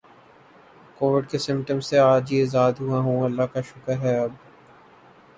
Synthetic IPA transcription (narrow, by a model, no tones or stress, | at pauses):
koːʋɪɖkesɪ̃mpʈəmsːeaːd͡ʒizaːd̪ɦuaɦũːɐlːaɦkaʃʊkəɾɦɛɐb̚